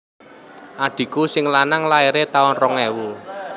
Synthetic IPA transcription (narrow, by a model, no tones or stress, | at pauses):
ʔaɖ̪̥i̤kusɪŋlanaŋlaeɾet̪aɔnrɔŋɛwul